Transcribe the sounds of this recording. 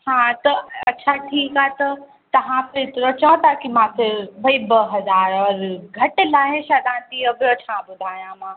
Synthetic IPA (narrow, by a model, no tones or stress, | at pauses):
hãːt̪ɐɐːt͡ɕʰaʈʰiːkaːɦt̪ɐ | t̪ɐʋ̤ãfʰɪɾɪt̪ɪɾot͡ɕãt̪ʰakimãfɪɾbʱɐibɐɦɐzaːɾɔːɾɡʱɐʈɪ̆laːɦeʃad̪ãːt̪iobjot͡ɕʰãbʊd̪ʱaːjãmãː